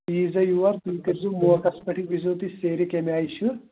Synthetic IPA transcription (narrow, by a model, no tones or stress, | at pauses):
iːzɐjuʋɐɾt̪uk̪iɾzumukɐspɐʈʰiʋizoːt̪iseːɾikemiaːjɕuɾ